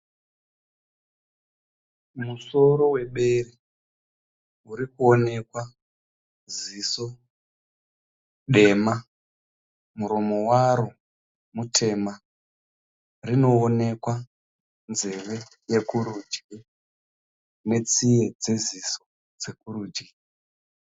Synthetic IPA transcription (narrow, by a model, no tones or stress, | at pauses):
muso̞ɾo̞we̞ɓe̞ri | uɾikuo̞ne̞kwa | ziso̞ | ɗe̞ma | muɾo̞mo̞waɾo | mutʰe̞ma | rino̞ːne̞kwa | nze̞ʋe̞ | je̞kuɾud͡ʒɡi | ne̞t͡sije̞d͡ze̞ziso | d͡ze̞k̚uɾuːd͡ʒi